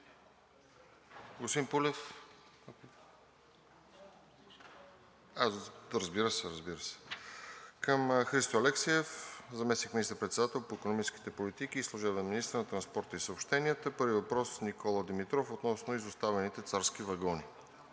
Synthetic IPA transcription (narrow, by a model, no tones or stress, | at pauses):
ɡosp̪impulɛf | aɾəzbiɾəsɛɾəzbiɾəsɛ̥ | kəmxɾist̪oɐlɛksiɛfzɐmɛsnikminist̪əɾpɾɛt̪sɛd̪at̪ɛlˠpoikonomit͡ʃski̥t̪ɛpolit̪ikiːslˠʊʒɛbənɐminist̪ɾənɐt̪ɾɐnspɔɾt̪əisəopʃt̪ɛniət̪əpɤɾvivɐpɾɔsnikʰɔlˠəd̪imit̪ɾɔfot̪nɔsnoizʊst̪avɛnit̪ɛt̪saɾsk̟ivɐɡɔni